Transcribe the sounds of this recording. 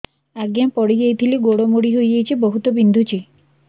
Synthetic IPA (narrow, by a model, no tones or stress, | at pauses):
aɡjapɔɽid͡ʒejt̪ʰiliɡoɽomoɽiɦojd͡ʒejt͡ʃʰibɔɦut̪ɔbind̪ʱut͡ʃi